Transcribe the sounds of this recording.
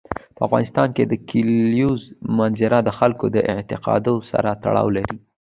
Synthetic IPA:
pəafɣɑ̰nɪst̪ɑnked̪əkʰiljuzmanzɪɾad̪əxalkod̪əʔɪʕt̪ɪqɑ̰d̪osa̰ɾat̪a̰ɽɑ̰wlaɾi

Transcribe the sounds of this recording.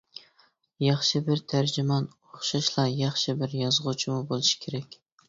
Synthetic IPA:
jɑχʃɪbɪɾt̪ʰaɾd͡ʒɪmɑn | oχʃɑʃlˠɑjɑχʃɪbɪɾjɒzʁʊt͡ʃʰɪmʊbolˠɪʃɪ̥kʲʰeɾakʲ

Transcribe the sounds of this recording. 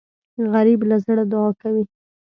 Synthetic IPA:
ɣaɾiblazəɽad̪ʊɑkawi

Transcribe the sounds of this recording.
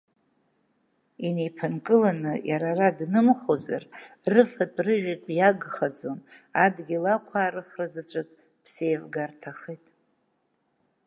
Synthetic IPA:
inejpʰɨnkʼɨlanɨjaɾaradnɨmχoza̰rrɨfatʼrɨʒᶣikʷʼjaɡχad͡zomadɡʲilakʷʰaːɾɨχrɨzat͡ʃʷʼɨkʼ | pʰse̞jvɡartʰaχitʼ

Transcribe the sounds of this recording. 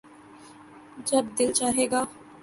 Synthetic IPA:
d͡ʒɐb̚d̪ɪlt͡ʃaːɦeːɡaː

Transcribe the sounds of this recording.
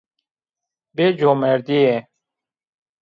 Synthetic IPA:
bed͡ʑoːmeɾd̪iẽ

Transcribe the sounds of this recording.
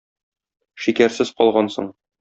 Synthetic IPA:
ʃikæɾsɘzqɒlˠʁɑnsɤ̰ɴ

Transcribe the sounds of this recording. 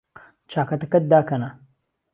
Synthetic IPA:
t͡ʃaːkɐt̪ɐkɐt̪̚d̪aːkɐna

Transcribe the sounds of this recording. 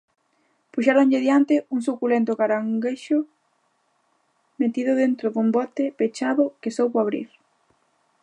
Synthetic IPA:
puʃaɾoɲʎɪðjant̪ɪuŋsukulent̪ʊɣaɾaŋɡeʃʊ | met̪iðʊðent̪ɾoðumbɔt̪epet͡ʃaβʊkesowpoaβɾḭɾ

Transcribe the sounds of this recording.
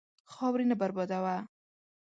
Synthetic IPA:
xɑwɾinabaɾbɑd̪awa

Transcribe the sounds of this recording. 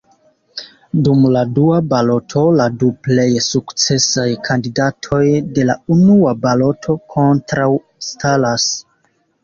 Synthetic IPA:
dumladuabalo̞tʰo̞laduple̞jsukt͡se̞sajkʰandidatʰo̞jde̞launuabalo̞tʰo̞kʰo̞ntɾaw | stalas

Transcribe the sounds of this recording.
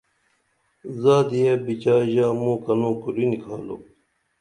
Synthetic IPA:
zaːd̪ijebit͡ɕaːʑaːmũːkɐnõːkuɾinikʰaːlo̰ː

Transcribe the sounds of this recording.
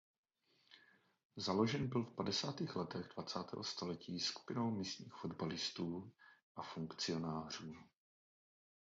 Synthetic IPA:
zalo̞ʒɛnbɪlfpadɛsaːt̪iːxlɛt̪ɛɣdvat͡saːt̪ɛ̰ːɦost̪olɛciːsku̥pɪno̞wmist̪ɲiːxfo̞dbalɪst̪uːʔafuŋkt͡sɪo̞naːr̝uː

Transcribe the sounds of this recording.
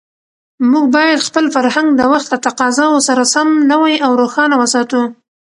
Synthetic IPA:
muɡbɑjad̪xpəlfaɾhaŋɡd̪əwaxt̪lat̪aqɑzɑwosaɾasamnəwajawɾoxɑnawəsɑt̪u

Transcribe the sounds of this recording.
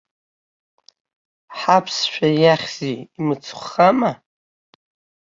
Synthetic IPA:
ħapʰsʃᶣajaχʲziːmɨt͡sʰχʷːama

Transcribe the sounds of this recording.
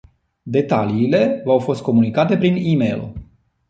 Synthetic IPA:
d̪e̞t̪aliːle̞vawfo̞st̪̚ko̞munikat̪e̞pɾinimejl

